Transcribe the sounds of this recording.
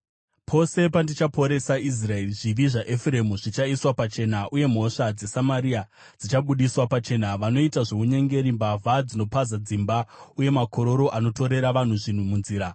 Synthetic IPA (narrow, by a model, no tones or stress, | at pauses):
pʰo̞se̞pandit͡ʃapʰo̞ɾe̞sais̬rae̞riʐiʋiʐaʔefuɾe̞muʐit͡ʃaiswapat͡ʃe̞ːnaʔuje̞m̤o̞ʂad͡ze̞samaɾia | d͡zit͡ʃaɓuɗiswapat͡ʃe̞ːnaʋano̞itaʐe̞uɲe̞ŋɡe̞ɾimbavʱad͡zino̞pazad͡zimbauje̞mako̞ɾo̞ɾo̞ʔano̞to̞ɾe̞ɾaʋan̤uʐin̤umunziːɾa